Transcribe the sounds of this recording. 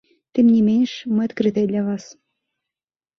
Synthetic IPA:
t̪ʲemnʲemʲenʲʂmɨɑt̪kɾɨt̪ed̪lʲavɑs

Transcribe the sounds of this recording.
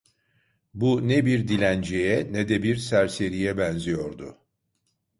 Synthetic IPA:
bunɛbiɾd̪ilʲænd͡ʒejɛnɛd̪ɛbiɾsæɾse̞ɾijɛbɛnzijo̞ɾd̪ʊ̰

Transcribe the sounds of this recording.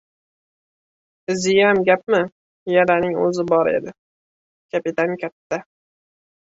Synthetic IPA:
zɪjamɡʲap̚mɪ | jalanɪŋɵ̰zɪbɒɾḛd̪ɪ | kʲʰapɪt̪ankʲʰat̪ʰːa

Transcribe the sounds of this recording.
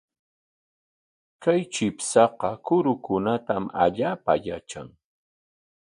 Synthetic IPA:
kajt͡ʃɪpsɑqɑkʊɾʊkʊnat̪ama̰ʎaːpa̰jat͡ʃa̰ŋ

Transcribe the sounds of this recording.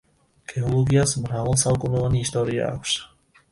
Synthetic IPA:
ɡ̥ɛɔlɔɡijazmɾavɔlˠsaɔkɔnɔvaniɦist̪ɔɾia̰a̰kʃḁ

